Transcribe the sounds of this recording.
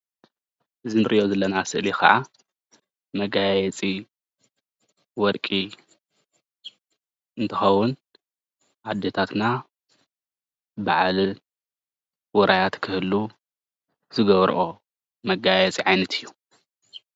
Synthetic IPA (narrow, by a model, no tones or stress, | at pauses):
ʔɨzinɨɾʔḭʔo̞zɐlːɐnasɨʔlikɐ̰ʔa | mɐɡajɛt͡sʼi | wɔɾkʼi | ɨnt̪ʰɐxɐwʊn | ʕad̪ːet̪ʰat̪na | baʕali | wɔɾʔajat̪kʰɨhɨlːu | zɨɡɐβɾ̰ʔo | mɐɡajɛt͡sʼiʕajnɐt̪ʰɨjːu